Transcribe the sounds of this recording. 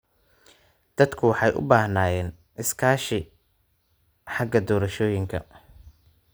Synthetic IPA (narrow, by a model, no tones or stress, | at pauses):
d̪̥ɐd̪kʰʊwɑħɑjʔʊ̰baːhnaːjɛːn | ɪskʰaːʃɪ | ħɑɡɐd̪ɔːɾɐʃɔːjɪŋkʰɐ̰